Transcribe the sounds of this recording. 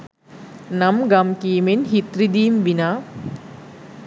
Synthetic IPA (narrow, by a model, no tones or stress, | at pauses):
nɐmɡɐmkiːmenɦit̪ɾid̪iːmʋinaː